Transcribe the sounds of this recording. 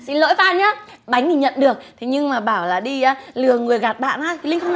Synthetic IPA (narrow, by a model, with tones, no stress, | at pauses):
sḭ˧˥nlo̰˧˥jfaː˧nɲaː˨˧˦ | ɓa˨˦jŋ̟ʰi˧˨˩ɲə̰˧˨nɗɨ˨˩ək̚t̪ʰe˨˦ɲɨ˧ŋmaː˨˩ɓaː˧˩wlaː˨˩ɗi˧aː˧lɨ˨˩əŋɨ˨˩əjɣa˨˩t̚ɓa̰ː˧˨nʔaː˧˦jt̪ʰi˨˩lï˧ŋxʰə˧wn